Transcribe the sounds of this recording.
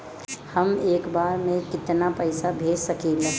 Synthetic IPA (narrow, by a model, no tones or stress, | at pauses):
hɐmeːkbaːɾmẽkɪt̪napɛɪsabʱeːd͡ʒsɐkeːle